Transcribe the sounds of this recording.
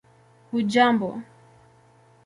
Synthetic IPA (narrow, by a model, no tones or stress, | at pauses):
hud͡ʒambɔ